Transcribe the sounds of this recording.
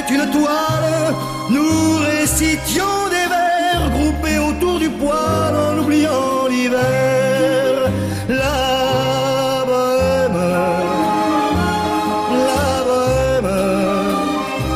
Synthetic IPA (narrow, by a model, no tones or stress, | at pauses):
t̪ynt̪wal | nuʁesit̪jɔ̃d̪evɛʁɡʁupeot̪uʁd̪ypwalɑ̃lublijɑ̃livɛ | ʁ | la | bɔm | la | bɔm